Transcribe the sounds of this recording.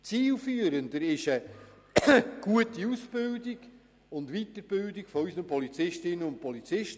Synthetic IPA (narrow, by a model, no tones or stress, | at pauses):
t͡siːlfyːəɾəndəɾɪʃə | ɡ̥uətiusb̥ɪldɪɡ | ʊndʋitəɾb̥ɪldɪɡ̥fɔysənəpʰɔlit͡sɪʃtɪnənʊnpʰɔlit͡sɪʃt